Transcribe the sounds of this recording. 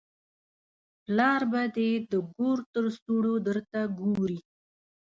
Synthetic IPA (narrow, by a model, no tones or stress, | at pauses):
plɑɾbad̪ed̪əɡoɾt̪əɾst̪uɽod̪əɾt̪aɡoɾi